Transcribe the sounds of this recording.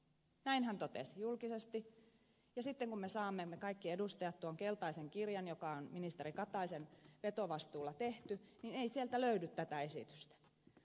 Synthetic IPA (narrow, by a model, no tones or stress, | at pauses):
næinhænt̪ot̪esijulkisest̪i | jɑsit̪ːeŋkummesɑːmːemːekɑikːie̞dust̪ɑjɑt̪t̪uoŋkelt̪ɑiseŋkirjɑnjokɑonminist̪eɾikɑt̪ɑisenʋe̞t̪oʋɑst̪uːlːɑt̪e̞ht̪ynineisielt̪æløydyt̪t̪æt̪æe̞sḭt̪y̥st̪æ̥